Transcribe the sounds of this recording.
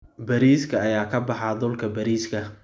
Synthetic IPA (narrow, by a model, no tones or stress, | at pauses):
bɐɾiːskʰɐɐjaːkʰɐbɑħɑd̪ʊlkʰɐbɐɾiːskʰɐ